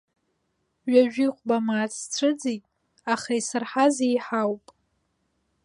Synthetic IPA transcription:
ʒaʒᶣiχʷbamaːt͡sʰt͡sʷʰɨd͡zitʼ | aχaisɨrħazejħawpʼ

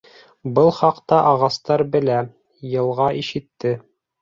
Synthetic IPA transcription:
bɤlˠχɑqt̪ɑʔɑʁɑst̪ɑɾbɘ̆læ | jɤ̆lˠʁɑʔiʃɘ̆t̪ːɘ

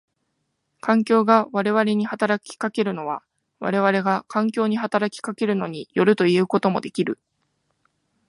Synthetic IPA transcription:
kãŋk̬ʲo̞ːɡaβaɾe̞βaɾe̞ɲ̟ihat̪aɾakʲi̥kake̞ɾɯ̟no̞β̞a̰ | βa̰ɾe̞β̞aɾe̞ɡakãŋkʲo̞ːɲ̟iɦat̪aɾakʲi̥kake̞ɾɯ̟no̞ɲ̟ijo̞ɾɯ̟t̪o̞ieɯko̞t̪o̞mod̪e̞kʲiɾɯ̟

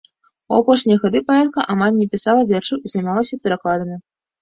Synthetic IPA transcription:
uapɔʂnʲijɛɣad̪ɨpaɛt̪kɐʔamalʲnʲɛpʲisalˠɐvʲɛrʂɐwizɐjmalˠɐsʲɐpʲɛɾaklˠad̪ɐnʲi

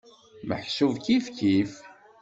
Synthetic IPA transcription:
mə̰ħsuvkifkif

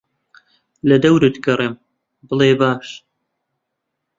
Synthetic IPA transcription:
lɐd̪ɐwɾɨt̪ɡɐrem | bɨlˠeːbaːʃ

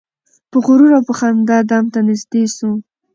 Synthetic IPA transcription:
pəɣʊɾuɾawpəxamd̪ɑd̪ɑmt̪anɪzd̪esu

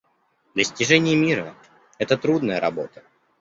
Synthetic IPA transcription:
d̪lʲəsʲtʲɪʐɛnʲɪjəmʲiɾə | ɛt̪ət̪ɾud̪nəjəɾɐ̰bo̞̰t̪ə̥

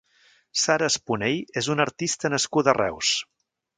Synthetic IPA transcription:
saɾəːspunejezunəɾt̪ist̪ənəskud̪ərɛ̰ws

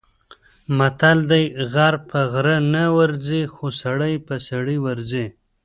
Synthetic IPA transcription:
mat̪ald̪ajɣaɾpʰəɣɾənawaɾzixosaɽəjpəsaɽiwaɾze

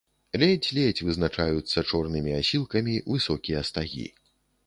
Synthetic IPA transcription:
lʲɛt͡sʲlʲɛt͡sʲvɨznat͡ʂajut̪sːɐt͡ʂɔrnɨmʲiasʲilˠkɐmʲivɨsɔkʲijɐst̪aɣʲḭ

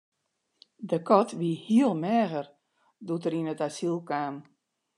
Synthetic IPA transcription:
dəkɔtʰʋiəhiəlˠmɛːɣər | dutəɾinətasilˠkaːm

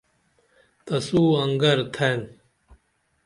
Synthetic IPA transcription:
t̪ɐsuːɐŋɡɐɾt̪ʰen

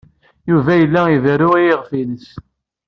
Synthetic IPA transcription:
juvæjəlːæivɾʊʁiəʁfiləs

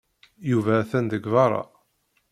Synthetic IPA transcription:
juvæːθænd̪əɡvɑɾˤɑ̰

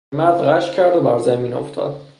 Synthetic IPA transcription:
mæɾd̪ɣæʃcʰæɾd̪obæɾzæmiːno̰ft̪ʰɒ̰ːd̪̥̚

